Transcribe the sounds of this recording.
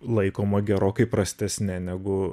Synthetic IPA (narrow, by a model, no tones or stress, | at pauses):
lˠɐɪkoːmɐɡʲɛɾoːkɐɪpɾɐsʲt̪ʲɛsʲnʲɛnʲæɡʊ